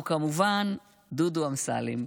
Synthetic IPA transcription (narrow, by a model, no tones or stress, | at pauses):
kamuvan | d̪ud̪uamsa̰lḭm